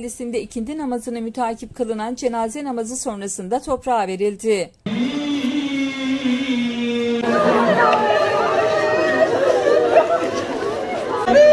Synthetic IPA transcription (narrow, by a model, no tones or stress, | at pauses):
lʲisind̪ɛicʰind͡ʒ̪inamazɯnɯmyt̪ʰaːcʰip̚kʰalˠɯnand͡ʒe̞naːzɛnamazɯso̞nɾasɯnd̪at̪ʰo̞pɾaːve̞ɾilʲd̪i